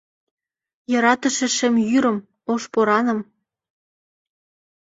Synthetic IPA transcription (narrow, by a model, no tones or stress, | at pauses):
jɤ̆ɾɑt̪ə̆ʃĕʃemjyɾə̆m | oʃpoɾɑnɤ̆m